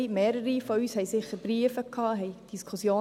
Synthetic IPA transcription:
meːɾəɾifɔyːshɛɪsɪχːəɾb̥riəfəkʰːɑːɦɛɪd̥iskʰʊsjoː

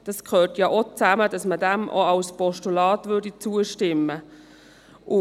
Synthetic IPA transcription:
d̥ɑskʰχøːtjɑʔot͡sæmədɑsmədæmʔo̰ɑwspɔʃtulɑːtʋʏɹdit͡suːəʃtɪmːə | ʔʊ

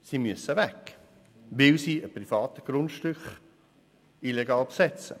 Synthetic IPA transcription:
simyəsəʋɛk | ʋɪlsiːəpɾifɑːt̪əɡ̥ɾʊntʃtʏkχ | ilɛɡɑːlpsɛt͡sə̰

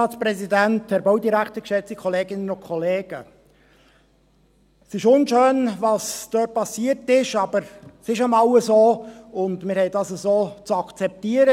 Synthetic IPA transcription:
ɑːtspɾɛzidænthɛɾboʊdiɾækt̪əɾkʃɛt͡sikʰɔleːɡɪnənʊnkʰɔleːɡ̥ə | sɪʃʊnʃøːnvɑsd̥øːt̚pɑsiːəɾtɪʃɑb̥əɾsɪʃamɑwəzoːʊndmɪɾhɛjdɑsəzoːt͡sɑkʰt͡sɛp̚tiːəɾə

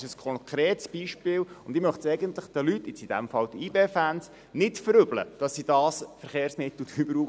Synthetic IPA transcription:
ʃəskʰɔnkʰɾeːtsb̥iːʃpɪːlʊnd̪ɪmœχtsɛɪɡənt̪ləχd̥əlytːɪt͡sid̥æ̰mfɑld̥̪iːbeːfæns | nɪtfəɾʏblə̰d̥ɑsːidɑːsfəɾχeːɾsmɪt̪l̩dybəɾuː

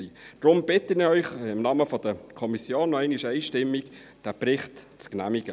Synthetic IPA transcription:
id̥ɾʊmb̥ɪtənɪœʏχɪmnɑːməfɔd̥əkʰɔmisjoːnːɔɛɪniʃɛɪʃtɪmːik | d̥æpɾɪχt | t͡sknæmiɡ̥ə

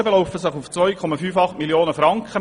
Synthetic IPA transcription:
əbelɔʊfəsɪχuft͡sʋœʏjkʰɔmɑfyːfɑχtmiljoːnəfɾɑŋkχə

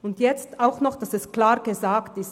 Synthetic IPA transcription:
ʊndjɛt͡staʊxnɔχd̥asɛsklaːʁɡ̥əzaːktɪs

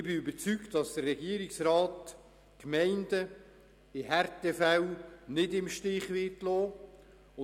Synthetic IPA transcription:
ɪbɪybəɾt͡syktdɑsd̥̪ərːɛɡiəɾiksɾɑːt | kmɛɪndə | ɪɦɛɾtɛfæwnɪdɪmʃtɪχʋɪtloː | ʊ

